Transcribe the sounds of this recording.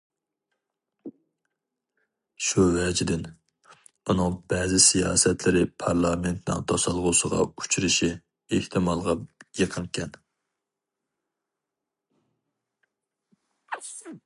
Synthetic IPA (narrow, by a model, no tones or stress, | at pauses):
ʃuvɛd͡ʒɪd̪ɪn | unɨŋb̥ɛzɪsijɑ̰ːsɛt̪lɪɾɪpʰɑɾlˠɑment̪nɪ̰ŋt̪ʰɑsɑlˠʁʊsəʁɑ̰u̥t͡ʃʰɾɪʃi | eht̪ʰɪmɑlˠʁɑjəqʰəŋkʲʰɛn